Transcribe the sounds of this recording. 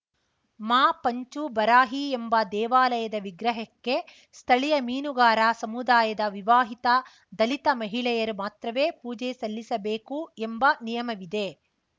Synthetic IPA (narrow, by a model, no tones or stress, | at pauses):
maːpɐɲt͡ʃubɐɾaːɦiembɐd̪ɛːʋaːlɐjɐd̪ɐʋiɡɾɐɦɐkːe̞ | st̪ʰɐɭijɐmiːnuɡaːɾaːsɐmud̪aːjɐd̪ɐʋiʋaːɦit̪ɐ | d̪ɐlit̪ɐmɐɦiɭɛjɐɾumaːt̪ɾɐʋeːpuːd͡ʒɛsɐlːisɐbeːkuembɐnijɐmɐʋid̪e̞